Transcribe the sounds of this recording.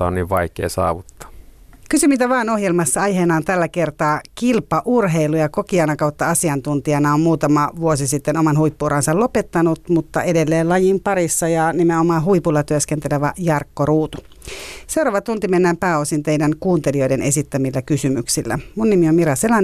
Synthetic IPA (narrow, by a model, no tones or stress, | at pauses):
ɑonniːʋʋɑikḛːsɑ̰ːʋut̪ːɑ̥ː | kysymit̪æʋɑːno̞hjelmɑsːɑɑjɦenɑːnt̪ælːækert̪ɑːkilpɑʔurɦeilujɑko̞kiɑnɑkɑwt̪ːɑɑsiɑnt̪unt̪iɑnɑommuːt̪ɑmɑʋuosisit̪ːenomɑnhuipːuːɾɑnsɑlo̞pet̪ːɑnut̪mut̪ːɑ̰ʔedelːeːlɑjimpɑɾisːɑjɑnimeomɑːɦuipulːɑt̪yøskent̪eleʋæjɑrkːoruːt̪u | se̞uɾɑːʋɑt̪unt̪imenːæːmpæːosint̪e̞ijdæŋkuːnt̪eliojdenʔesit̪ːæmilːækysymyksilːæ̰munːimiommiɾɑselɑn